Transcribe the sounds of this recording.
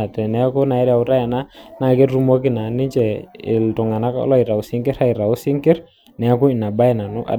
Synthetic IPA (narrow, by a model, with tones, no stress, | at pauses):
tɛ˨nɛ˨˦kʊ˦na˨ɪ˦ɾa˨ʊ˦ɾa˦ja˨na˦na˨ke˦rru˦mo˦kɪ˦na˨nɪ˦t͡ʃɛ˨ɪ̰˨ltʊ˨ŋa˨na˦kɔ̰˦lɔ˦ɪ˨ɾa˨ʊ˨sɪ˦ŋkɪ˦ɾa˦i˨ɾa˨ʊ˦sɪ˦ŋkɪ˦r | nɛ˨˦kʊ˦i˨na˨ba˦ɪ˦na˨nʊ˦ʔa̰˨